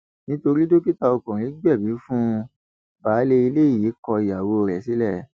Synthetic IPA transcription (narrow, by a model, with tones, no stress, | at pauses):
nĩ˦to˧ɾi˦do˦ki˦ta˧o˧kõ˨ɾ̃ĩ˨˦ɡ͡bɛ˦˨bi˨˦fũ˦ | ba˨˦le˧i˧le˦i˦˨ji˨˦kɔ˧˨ja˨wo˧ɾɛ˨si˨˦lɛ˦˨˦